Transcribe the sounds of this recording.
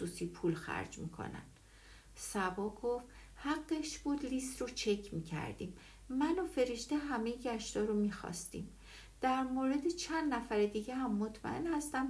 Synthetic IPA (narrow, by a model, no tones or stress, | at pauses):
usiːpʰulxæ̰ɾd͡ʒmḭːkʰo̰næ̰nd̪̥ | sæbɒːɡoft̪ | hæɡːe̞ʃb̥uːd̪list̪rot͡ʃʰe̞cʰmiːcʰæ̰ɾd̪ḭːm | mænofe̞ɾe̞ʃt̪eɦæmejeɟæʃt̪ɒːɾomixɒ̰ːst̪ḭm | d̪̥æɾmoɾe̞d̪et͡ʃʰænd̪næfæɾed̪iːɟeɦæmːot̪ʰmæ̰ʔe̞̰nhæst̪æm